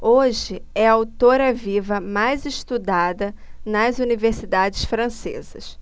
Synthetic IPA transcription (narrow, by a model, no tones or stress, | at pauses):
oʒɪɛawt̪oɾɐvivɐmajzɪʃt̪ud̪ad̪ɐnɐzuniveɾsid̪ad͡ʒɪʃfɾɐ̃sḛzɐs